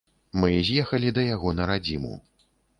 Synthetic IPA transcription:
mɨzʲjɛxɐlʲid̪ɐjaɣɔnɐɾad͡zʲimṵ

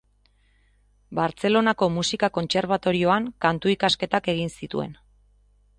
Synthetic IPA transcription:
baɾt͡se̞lo̞nako̞musikako̞nt͡se̞ɾβ̞at̪o̞ɾio̞aŋkant̪uikaske̞t̪ake̞ɣ̞insit̪ṵe̞̰n

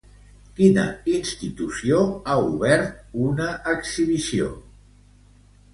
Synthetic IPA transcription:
kinə̰inst̪it̪usioauβɛɾt̪̚unəʔːkzsiβisio̰

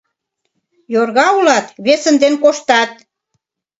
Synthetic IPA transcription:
jorɣɑulɑt̪βesə̆nd̪enkoʃt̪ɑt̪̚

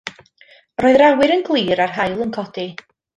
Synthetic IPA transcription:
roːɨðrawɪɾənɡlˠiːɾarɦajlˠənkʰɔdi

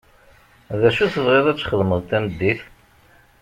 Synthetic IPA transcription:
ðæʃuθəvʁeðˤæt͡sːχəðməðˤt̪ænəd̪ːiθ

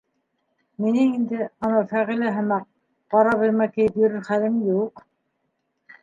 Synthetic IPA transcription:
minɘŋind̪ɘɑnɑfæʁilɘɦɘ̆mæq̚ | qɑɾɑβɘ̆ɾmæk̪ɘjɘpjɵ̆ɾɘɾχæðɘmjuq

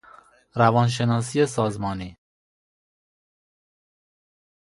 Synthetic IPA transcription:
ɾævɒːnʃ̬e̞nɒːs̬ijes̬ɒːzmɒːniː

